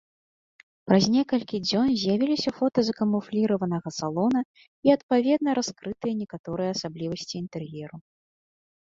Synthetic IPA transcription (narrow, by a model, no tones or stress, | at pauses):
pɾɐzʲnʲɛkɐlʲkʲid͡zʲɔnzʲjavʲilʲisʲɐfɔt̪ɐzɐkɐmuflʲiɾɐvɐnɐɣɐsalˠɔnɐ | iɐt̪̚pavʲɛd̪̚nɐɾaskɾɨt̪ɨjɐnʲɛkat̪ɔɾɨjɛːsablʲivɐsʲt͡sʲiːnt̪ɛrjɛɾu